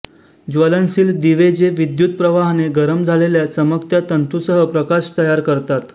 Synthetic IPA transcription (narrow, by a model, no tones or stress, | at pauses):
d͡ʑʋələnsiːld̪iʋed͡ʑeʋid̪jut̪̚pɾəʋaɦneɡəɾəmd͡zʱaleljat͡səmək̚t̪jat̪ənt̪usəɦəpɾəkaɕt̪əjaɾkəɾt̪at̪